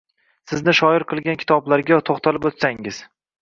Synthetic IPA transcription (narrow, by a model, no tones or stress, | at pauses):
sɪznɪʃɒɪɾqʰɨlˠɡʲankʰʲɪ̥t̪ʰɒblaɾɡʲat̪ʰoχt̪ʰalɪpot̪saŋɪz̥